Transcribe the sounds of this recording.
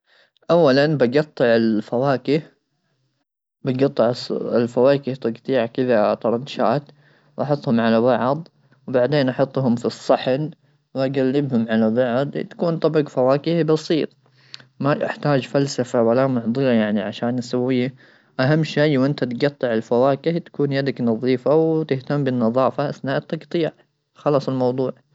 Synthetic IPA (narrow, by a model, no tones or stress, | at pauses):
ʔawːalanbɑɡɑt̪ˤːɨʕɪlfawaːkɪh | bɪɡɑt̪ˤːɨʕsɪlfawaːkɪht̪ˤɑɡt̪ˤiːʕakɪðat̪ɑɾˤɑnʃaːt̪ | wʔɑħɑt̪ˤhʊmʕalabɑʕd̪ˤ | wbaʕd̪eːnʔɑħɑt̪ˤːhʊmfisˤːɑħn | wʔaɡalːɪbhʊmʕalabɑʕd̪ˤt̪ḁkuːnt̪ˤɑbɡfawaːkɪhbɑsˤiːt̪ˤ | maʔɪ̰ħt̪aːd͡ʒfalsafawalamʊʕd̪ˤɨɾajaʕniʕaʃaːnːɪsawːɪjːa | ʔaɦamːʃajwʔɪnt̪at̪ɡɑt̪ˤːɨʕɪlfawaːkɪht̪ḁkuːnjad̪aknɑðˤiːfawt̪ɪht̪amːbɪnːɑðˤɑːfaʔasnaːʔt̪ˤːɑɡt̪ˤijːʕ | xɑlɑːsˤɪlmɑwd̪ˤuːʕ